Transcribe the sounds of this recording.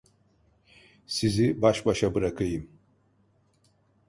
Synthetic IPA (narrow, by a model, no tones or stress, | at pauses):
sizibaʃbaʃabɯɾakʰɯjɯm